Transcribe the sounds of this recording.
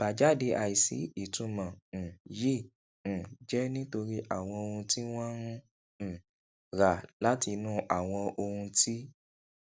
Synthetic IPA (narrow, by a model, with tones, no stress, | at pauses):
b̥a˨d͡ʒa˨˦de˧ʔa˧i˨sḭ˨˦i˦˨tũ˨˧˦mã˨jĩ˦˨ | d͡ʒɛ˦nĩ˦to˧ɾi˦ʔa˦˨w̃ɔ̃˧o˧hũ˧ti˦w̃ɔ̃˦ɾũ˦˨ | ɾa˨la˨˦ti˧nũ˦ʔa˨w̃ɔ̃˧o˧hũ˧ti˦